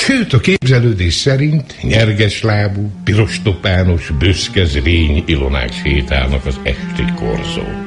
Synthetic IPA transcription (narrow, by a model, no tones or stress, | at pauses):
ʃøːt̪ɒkeːbzɛløːd̪eːʃsɛɾint̪ɲɛrɡɛʃlaːbupiɾo̞ʃt̪o̞paːno̞ʃbøskɛzreːɲilo̞na̰ːkʃheːt̪a̰ːlnɒkɒzɛ̰ʃt̪eko̰rzo̰ː